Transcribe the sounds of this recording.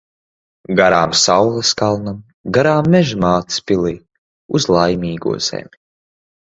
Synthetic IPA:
ɡaɾaːmsawlˠaskalˠnam | ɡaɾaːmːɛʒimaːt̪i̥spʲiliː | uzlˠajmʲiːɡṵɔz̥ɛ̰mʲi̥

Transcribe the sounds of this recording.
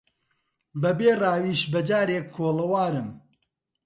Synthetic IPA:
bɐbeːraːwiːʃbɐd͡ʒaːɾeːkʰːoːlɐwaːɾɨm

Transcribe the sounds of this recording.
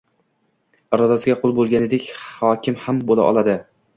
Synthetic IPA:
ɾɒd̪asɪɡʲaqʰolˠbolˠɡʲanɪd̪ekʲhɒkʲʰɪmhambolˠa̰ʔɒ̰lˠad̪ɪ

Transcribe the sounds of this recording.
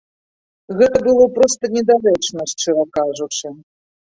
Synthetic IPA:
ɣɛt̪ɐbɨlˠɔpɾɔst̪ɐnʲɛd̪aɾɛt͡ʂnɐsʲt͡ʂɨɾɐkaʐut͡ʂɨ

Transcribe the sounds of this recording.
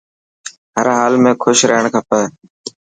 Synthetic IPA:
ɦəɾɦaːlmẽːkʰʊʃɾəɦəɳkʰaːpə

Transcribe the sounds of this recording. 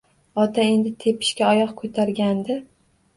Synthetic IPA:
ɒt̪ʰae̞nd̪ɪt̪ʰe̞pʰɪ̥ʃkʲaɒjɒqkʰot̪ʰaɾɡʲand̪ɪ

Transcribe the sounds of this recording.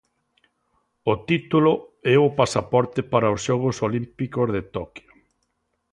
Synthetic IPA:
ʊt̪it̪ulʊɛʊpasapɔɾt̪ɪpaɾɐʊsʃɔɣʊsolimpikozðet̪ɔkjo

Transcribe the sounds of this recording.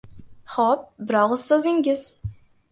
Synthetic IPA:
χɔp̚bɪɾɑʁəzsøzɪŋɡʲɪz̥

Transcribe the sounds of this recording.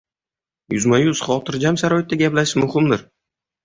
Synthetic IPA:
jʊzmajʊz̥χɒt̪ʰɪɾd͡ʒamsaɾɒjɪt̪ːaɡʲaplaʃmʊhɪmd̪ɪɾ

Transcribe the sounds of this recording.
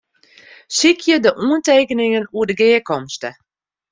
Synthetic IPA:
sikʰjədəʔuənteːkənɪŋənuədəɡɪəkɔmstə

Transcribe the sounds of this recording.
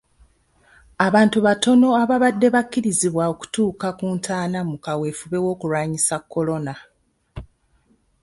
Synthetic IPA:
aβaːntuβato̞no̞aβaβadːe̞βakːiɾiziβwao̞ku̥tuːkakuːntʰaːnamukaweːfuβe̞wo̞ːkuɾwaːɲisakːo̞lo̞na

